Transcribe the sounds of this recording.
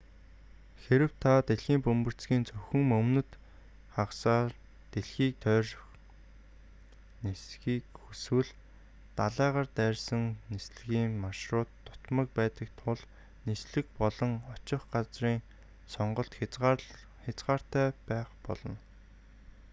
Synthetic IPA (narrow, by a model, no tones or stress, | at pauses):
xeɾɘ̆w̥t̪ʰat̪eɮxiːmpɵmpɵ̆r̥t͡sɡiːnt͡sɵxɵ̆ŋmɵmnɵ̆t̪ | χaqsaːr | t̪eɮxiːk̚t̪ʰœːrx | nisxiːkxuswɘ̆ɮ | t̪aɮæːʁaːrt̪æːrʲsə̆ŋnisɮɘ̆ɣiːŋmaʃrʊːt̪ːʊ̥t̪mə̆k̚pæːt̪ə̆k̚t̪ʰʊɮ | nisɮɘ̆k̚pɔɮɞ̆ŋɔt͡ɕɪ̆χɢat͡sriːŋ | sɔɴɢɞ̆ɬt̪ | xʲat͡sɢaːr̥t̪æːpæːχpɔɮɞ̆n